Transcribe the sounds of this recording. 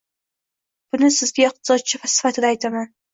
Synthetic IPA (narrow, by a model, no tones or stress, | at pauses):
b̥ʊnɪsɪzɡʲaɪq̚t̪ʰɪ̥sɒd̪̚t͡ʃʰɪfasɪ̥fat̪ʰɪd̪aːjt̪ʰaman